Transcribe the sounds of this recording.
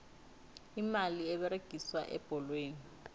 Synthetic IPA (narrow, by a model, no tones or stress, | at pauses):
imaliɛɓɛɾeɡ̥ʱiswa̰ʔɛ̰b̥ʱɔlweːni